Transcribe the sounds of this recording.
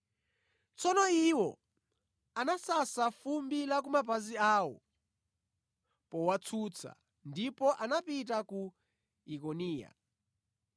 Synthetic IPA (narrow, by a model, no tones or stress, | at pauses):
t͡sɔnɔiwɔ | anasasafumbilak̬umapaziaːwɔ̰ | pɔwat͡sʰut͡sʰa̰ | ndipɔʔanapitaku | ikɔniːja̰